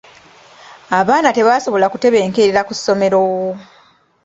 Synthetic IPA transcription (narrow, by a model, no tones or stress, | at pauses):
aβaːnate̞βaːso̞βo̞lakute̞βe̞ːŋkeɾeɾakusːo̞me̞ɾo̞wo